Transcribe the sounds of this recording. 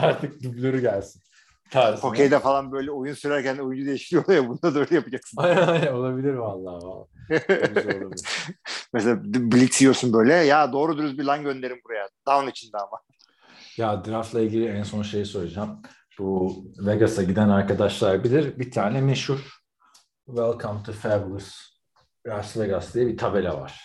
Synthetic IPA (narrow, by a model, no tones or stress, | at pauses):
aɾt̪ʰɯk̚d̪yblʲøɾyɟælʲsin | t̪ʰaɾʰokʰejd̪ɛfalˠanbø̞jlʲɛojunsyɾæɾcʰænojund͡ʒud̪e̞jiʃlʲijo̞d̪ˠajabund̪ad̪aøjlʲɛjapɯd͡ʒaksɯnannajnɛo̞lˠabilʲiɾvalˠːaːva̰ | la | mɛselʲabilʲit̪siijosunbø̞jlʲɛjaːd̪o̞ːɾud̪uɾuzbilˠanɟø̞nd̪e̞ɾimbuɾajad̪̥avnit͡ʃʰind̪ɛama | jad̪ɾaft̪lˠailʲɟilʲiænso̞nʃe̞jiso̞ɾud͡ʒam | b̥uveɡasaɟid̪ænaɾkad̪aʃlˠaɾbilʲiɾbit̪ʰaːnɛmeʃhuɾ | vɛlˠkʰampt̪ʰɯfɛblˠɯs | ɾaɾsveɡasd̪ijɛbit̪ʰabe̞lʲɛ̰va̰ɾ̥